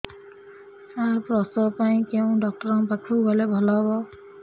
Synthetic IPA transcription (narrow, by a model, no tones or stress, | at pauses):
aɹpɹɔsɔpaj̃keʊ̃dɔk̚tɔɹɔŋpakʰuɡɔlɛbʱɔlabɔ